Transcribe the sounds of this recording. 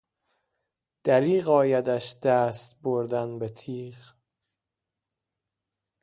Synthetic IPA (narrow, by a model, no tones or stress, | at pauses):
d̪̥æɾiːɣɒːjæd̪æʃd̪̥æːst̪boɾd̪ænbet̪ʰiːʁ